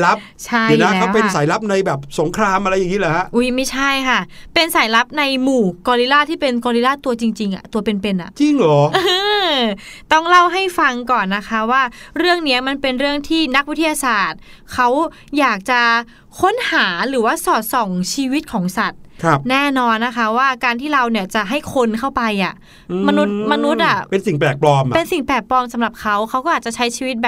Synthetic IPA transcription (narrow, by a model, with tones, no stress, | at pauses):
la˦˥p̚t͡ɕʰa˥˩je˨˦naː˦˥kːɛa˦˥pe˧n˥saː˨˩˦jla˦˥p̚na˧jbɛː˨˩p̚so˨˩˦ŋkʰɾaː˧mʔa˧ɾa˧jːa˨˩ŋːi˦˥lɛː˨˩˦ha˦˥ʔʔu˦˥˩jma˥˩jt͡ɕʰa˥˩jkʰa˥˩ | pe˧nsa˩˦jla˦˥p̚na˧jmuː˨˩kɔː˧li˦˥laː˥˩t̪ʰiː˥˩pe˧nkɔː˧li˦˥laː˥˩t̪u˧ɐt͡ɕi˧ŋt͡ɕi˧ŋʔa̰˨˩t̪u˧ɐpe˧npe˧nʔa̰˨˩ʔt͡ɕi˧ŋlɔː˩˦ʔɯː˧ | t̪ɔ˥˩ŋla˥˩wɦa˥˩jfa˧ŋkɔː˨˩nːa˦˥kʰa˦˥waː˥˩ɾɯ˥˩əŋni˦˥ɐma˧npe˧nɾɯ˥˩əŋt̪ʰiː˥˩na˦˥k̚wi˦˥t̪ʰːi˧jaː˧saː˨˩t̪̚kʰa˦˥w | jaː˨˩k̚t͡ɕa˨˩ | kʰo˦˥nhaː˩˦ɾɯː˩˦waː˥˩sɔː˨˩t̪̚sɔ˨˩ŋt͡ɕʰiː˧wi˦˥t̪̚kʰɔː˩˦ŋsa˨˩t̪̚kʰa˧˩p̚nɛː˥˩nɔː˧nːa˦˥kʰa˦˥waː˥˩kaː˧nt̪ʰiː˥˩ɾa˧wni˧˩ɐt͡ɕa˨˩ʔɦa˥˩jkʰo˧˥nkʰa˥˩wpa˧jʔaː˨˩˧ | ma˧nu˦˥t̪̚ma˧nu˦˥t̪̚ʔa˨˩pe˧nsi˨˩ŋplɛː˨˩k̚plɔː˧mʔpe˧nsi˨˩ŋpɛː˨˩k̚pɔː˧msa˨˩˦mɾa˨˩p̚kʰa˦˥wkʰa˦˥wkɔː˥ʔ̪̚ːt͡ɕa˨˩t͡ɕʰa˦˥jt͡ɕʰiː˧wi˦˥t̪̚bɛː˨˩